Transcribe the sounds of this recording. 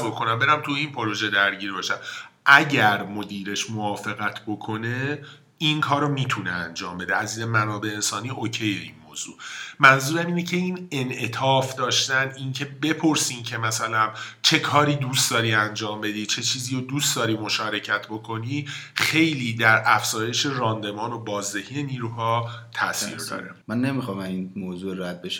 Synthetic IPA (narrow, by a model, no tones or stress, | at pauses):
bokʰo̞næmbeɾæmt̪ʰuinpʰo̞ɾo̞ʒe̞d̪æɾɟiːɾbɒːʃæmʔæɟæɾmo̞d̪iːɾe̞ʃmoɒːfe̞ɣæt̪ʰbo̞kʰo̞ne̞ | inkʰɒːɾomiːt̪ʰunḛænd͡ʒɒːmbe̞d̪eæzinemænɒːbeːnsɒːniʔocʰejeḭnmoːz̥ṵːmænzuːɾæmiːnecʰe̞inenʔe̞t̪ʰɒːfd̪ɒːʃt̪ænincʰe̞be̞pʰoɾsiːncʰe̞mæsælænt͡ʃʰe̞kʰɒːɾiːd̪uːst̪d̪ɒːɾiːænd͡ʒɒːmbe̞d̪iːt͡ʃʰe̞t͡ʃʰiːziːɾod̪uːstd̪ɒːɾiːmo̞ʃɒːɾe̞cʰæt̪ʰbo̞kʰo̞niːχe̞jliːd̪æɾæfz̥ɒːje̞ʃe̞rɒːnd̪e̞mɒːnobɒːzd̪e̞hiːjeniːɾuːɦɒːt̪ʰæsḭːɾd̪ɒ̰ːɾemænːemixɒːmæminmoːzuɾæd̪̚beʃ